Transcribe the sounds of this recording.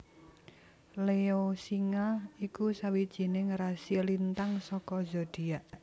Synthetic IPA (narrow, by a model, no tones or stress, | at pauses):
leosiŋaikusawid̥ʒ̥i̤neŋɾasilint̪aŋsɔkɔzɔd̥i̤aʔ